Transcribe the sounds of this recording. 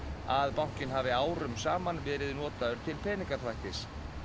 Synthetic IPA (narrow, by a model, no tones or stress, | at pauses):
aðpawŋ̥cɪnɦaːvɪaːwɾʏmsaːmanvɛːɾɪðnɔːt̪aðʏɾ̥t̪ʰɪlpʰɛːniŋkḁθvajht̪ɪs